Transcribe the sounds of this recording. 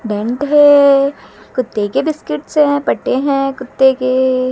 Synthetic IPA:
ɖɛ̃ɳʈɦɛ | kʊt̪ːekebɪskɪʈsɛ̃pɐʈːeɦɛ̃kʊt̪ːeke

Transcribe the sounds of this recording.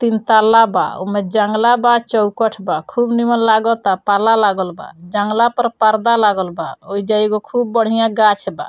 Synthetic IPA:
t̪int̪alaba̰o̰mẽd͡ʒəŋɡlabat͡ʃɔwkəʈʰbakʰubnimənlaɡɔt̪apalalaɡəlba̰d͡ʒəŋɡlapəɾpəɾd̪alaɡəlbaoid͡ʒaiɡokʰubːəɽ̤ijãɡat͡ʃba̰

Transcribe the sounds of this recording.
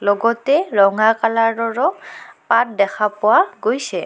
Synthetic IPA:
lɔɡɔtɛɹɔŋakalaɹɔɹɔpat̚dɛxʰapʊwaɡojsɛ

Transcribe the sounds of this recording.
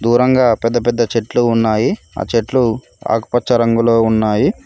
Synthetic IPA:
d̪uːɾɐŋɡaːpɛd̪ːɐpɛd̪ːɐt͡ʃeʈluːnːaːji | a̰ːt͡ʃeʈlu | a̰ːkupɐt͡ʃːɐɾɐŋɡulo̞ːunːaːji

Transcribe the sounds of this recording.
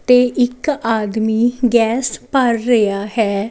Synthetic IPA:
t̪eːʔɪkaːd̪miːɡɛːspəɾːəjaːhɛː

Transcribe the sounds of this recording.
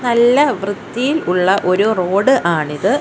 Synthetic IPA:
nɐlːɐʋrɨd̪ːijiluɭːɐʔo̞ɾuro̞ːɽɨʔaːɳiðɨ

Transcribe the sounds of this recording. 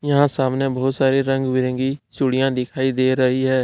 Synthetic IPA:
jɐɦãsaːmnebɔːʊt̪saːɾiɾə̃ŋɡbɪɾə̃ːɡit͡ʃʊɽijãd̪ɪkʰaːid̪eːɾɐɦiɦɛː

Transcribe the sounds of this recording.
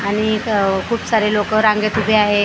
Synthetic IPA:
aɽ̃ikʰuːpsaɾelokəɾãŋɡet̪ubʱeaɦe

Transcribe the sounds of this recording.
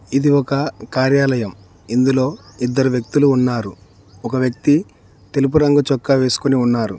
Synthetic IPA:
id̪iɔkɐkaːɾjaːlɐjɐm | ind̪ulo̞ːid̪ːɐɾuʋjɐk̚t̪uluːnːaːɾu | ɔkɐʋjɐk̚t̪i | t̪e̞lup̬uɾɐŋɡut͡ʃɔkːɐʋe̞ːsu̥koniunːaːɾṵ

